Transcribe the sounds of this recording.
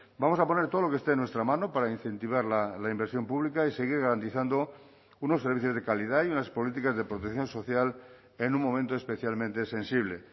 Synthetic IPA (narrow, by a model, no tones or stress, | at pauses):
bamo̞sapo̞neɾt̪olo̞kest̪enwe̞st̪ɾamãnopaɾainθẽ̞nt̪iβ̞aɾlalaimbeɾsjo̞mpuβ̞likaiseɣ̞iɾɣaɾant̪iθand̪o̞ | uno̞sːeɾβ̞iθjozðekaliðaiunaspo̞lit̪̬ikazðe̞pɾot̪ekθjo̞nso̞θjal | enũmːõ̞mẽnt̪oe̞speθjalmẽnt̪e̞se̞nsiβ̞le̞